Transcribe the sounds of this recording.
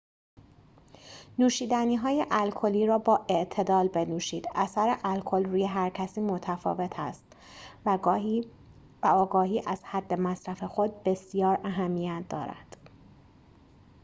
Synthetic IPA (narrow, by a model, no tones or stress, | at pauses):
nuːʃiːd̪æniːɦɒːjeʔælkʰo̞liːɾɒːbɒːʔe̞ʔt̪ʰe̞d̪ɒːlbe̞nuːʃiːd̪̥ʔæsæɾeʔælkʰo̞lɾuːjeɦæɾcʰæsiːmo̞t̪ʰæfɒ̰ːve̞t̪ʰæst̪ | væɒːɡɒːɦiːʔæz̥hæd̪ːe̞mæsɾæfe̞xo̞d̪̚be̞sijɒːɾæɦæmːijæt̪̚ʰd̪ɒ̰ːɾæ̰nd̪̥